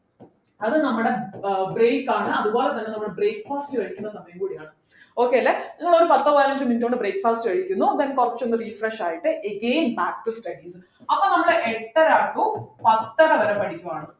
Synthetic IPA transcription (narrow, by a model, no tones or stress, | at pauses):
ɐðɨnɐmːuɽe̞breːkːaːɳɨɐðubo̞ːlet̪ɐnːe̞nɐmːuɽebre̞ːkːfaːstɨkɐɻikʲːunːɐsɐmɐjɐmkuːɽijaːɳɨ | o̞ːkːe̞jɐlːenɐŋːɐɭo̞ɾupɐt̪ːɐʋojlɐɲd͡ʑɨminduoɳɖɨbre̞ːkːfaːstɨʋɐɻikʲːunːud̪enkurɐt͡ɕːond̪ɨriːfreʂaːjiʈːɨʔeɡeːnbaːkʈustɐɖisɨ | ɐpːoːnɐmːɐɽeʔeʈːɐɾaːkːupɐt̪ːɐɾɐʋɐɾɐpɐʈʰikʲːuʋaːɳɨ